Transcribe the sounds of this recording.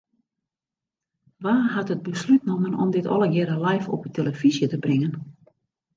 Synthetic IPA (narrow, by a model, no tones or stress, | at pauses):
ʋaːɦatət̚bəslyt̚noməno̰mdɪtʰɔ̰lˠəɡɪɾəlajfɔ̰pətʰeləfizjətəbrɪŋən